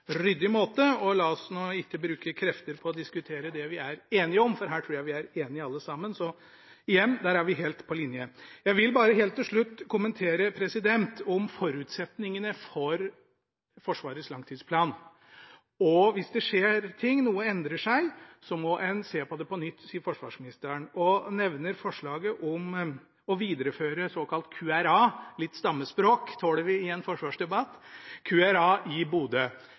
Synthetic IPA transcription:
ɾʏd̪ːɪmoːt̪əɔlɑːɔsnɔɪkːəbɾʉːkəkʰɾɛft̪əɾpʰɔːd̪ɪskʉt̪ʰeːɾəd̪ɛʋɪæɾeːnɪəɔmfɔɾɦæːʈʰɾuːɾjæɪʋɪæɾeːnɪəɑlːəsɑmːənsɔ | ɪjɛnːd̪æːɾæɾʋɪɦeːlt̪pʰɔlɪnjəjæɪʋɪlbɑːɾəɦeːlt̪ːɪlʂɭʉt̪ːkʰʊmənt̪ʰeːɾəpʰɾɛsɪd̪ɛnt̪ʰɔmfɔɾʉːt̪sɛt̪nɪŋənəfɔɾ | fɔʂʋɑ̰ːɾət̪slɑŋt̪ʰiːd̪spʰlɑːn | ɔʋɪsd̪ɛʂeːɾt̪ʰɪŋːnuːəɛnd̪ɾəʂæɪsɔmɔʔɛnseːpɔd̪ɛpɔnʏt̪ːsiːəɾfɔʂʋɑ̰ːʂmɪnɪst̪əɾəɳɔnɛʋnəɾfɔʂɭɑːɡəʔɔm | ɔʋiːd̪əɾəføːɾəsoːkʰɑlt̪kʰʉːæɾɑːlɪt̪ːst̪ɑmːəspɾoːkt̪ʰoːɽəʋɪɪɛnfɔʂʋɑːʂd̪ɛbɑt̪ːkʰʉːæɾɑːʔɪbuːd̪ə

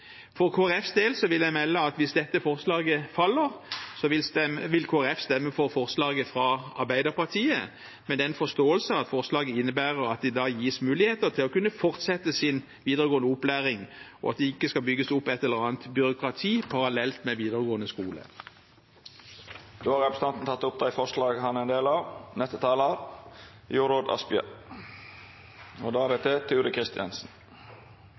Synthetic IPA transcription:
fɔʁkʰoːæɛfsd̪eːlsɔʋɪljæɪmɛlːəɑt̪ʋɪsd̪ɛt̪ːəfɔʁslɑːɡəfɑlːəʁsɔʋɪlkʰoːæʁɛfst̪ɛmːəfɔʁfɔʁslɑːɡəfʁɑɑɾbæɪd̪əpɑʁt̪ʰiːə | mɛnd̪ɛːɛɪnfɔst̪oːəlsəɑt̪fɔʁslɑːɡəɪnːəbæːʁəɾɑt̪̚d̪ɛd̪ɑːjiːsmʉːlɪheːt̪ət̪ʰɪlɔkʉnːəfɔʁt̪sɛt̪ːəsɪn | ʋiːd̪əʁəɡoːənəʊplæːʁɪŋɔ̰ɑ̰t̪̚d̪ɛɪkːəskɑbʏɡəsʊpːɛt̪ːɛlːəʁɑːnt̪bʏɾʊkʁɑt̪ʰiːpʰɑʁɑlɛlt̪mɛʋiːd̪əʁəɡoːnəskuːlə̰ | d̪oːhɑɾɛpɾəst̪ɑnt̪n̩t̪ɑt̪ːʊp̚d̪æɪfɔʂlɑːɡɦɑnɛnd̪eːlɑʋnɛt̪ːət̪ʰɑːlɑɾ | juːɾoːd̪ɑ̰spɪə̰ | ɔd̪ɑːæɾɛt̪ʰɛt̪ʰʉːɾəkʰɾɪst̪ɪɑ̰nsn̩

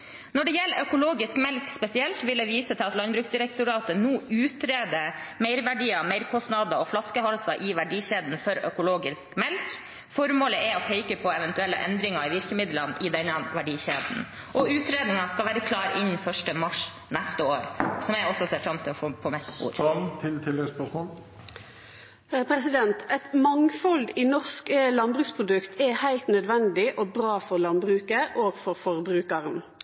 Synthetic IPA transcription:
nɔɖɛjɛlːəʔœkʊloːɡɪskmɛlkspɛsɪɛlt̪ʋɪld̪ɛʋiːsət̪ʰɪlɑt̪lɑnbɾʉːksd̪ɪɾɛk̚t̪ʊɾɑːt̪ənuːʉːt̪ɾeːd̪əmeɪɾʋæɖiːɑmɛɪɾkʰɔst̪nɑd̪əɔflɑskəɦɑlsɑʔɪʋæɖiːɕeːd̪n̩fɔɾœ̰kʊloːɡɪskmɛlk | fɔɾmoːləʔɛɔpʰeɪkəpʰɔɛʋɛnt̪ʉɛlːə̰ʔɛ̰nd̪ɾɪŋɑɾɪʋɪɾkəmɪd̪lənʔɪd̪ɛnːɑʋæɖiːɕeːd̪n̩ | ʔɔʉːt̪ɾeːd̪nɪŋɑskɑlʋæːɾəkʰlɑːɾɪnfœʂʈəmɑʂ | næst̪əoːɾsɔmjæɪɔsːɔseːɾfɾɑmt̪ʰɪlɔfoːpʰɔmɛt̪ːbṵːɾt̪ʰɪt̪ʰɪlɛəspɔsmɔl | pʰɾɛsɪd̪ɛnt̪ɛt̪mɑŋfɔld̪ɪnɔʁskəlɑnbɾʉːkspʰɾʊd̪ʉkt̪ʰɛhæɪlt̪nœd̪ʋɛnd̪ɪʔɔbɾɑːfɔʁlɑnbɾʉːkəʔoːɡ̥fɔɾfɔʁbɾʉːkɑʁən

